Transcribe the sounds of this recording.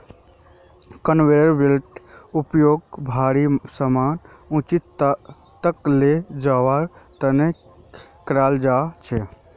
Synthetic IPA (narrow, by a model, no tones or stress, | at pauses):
kənʋeɾəɾbilʈupjoːɡ̚bʱaɾisəman | ũt͡ʃit̪ | t̪əkled͡ʒaʋaɾt̪əne | kɾaːld͡ʒat͡ʃʰɛ